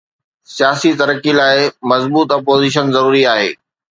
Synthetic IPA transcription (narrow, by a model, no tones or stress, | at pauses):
sijaːsit̪ɐɾəkilaːɪmɐzbuːt̪ɐpoːziːʃ̬ənzɐɾuːɾiaːɦḛː